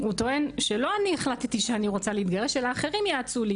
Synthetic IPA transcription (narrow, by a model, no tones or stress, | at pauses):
ut̪o̞e̞nʃelo̞anieχlat̪t̪iʃeaniʁo̞t͡saleit̪ɡaʁeʃelaːχe̞ʁimjaːt͡suli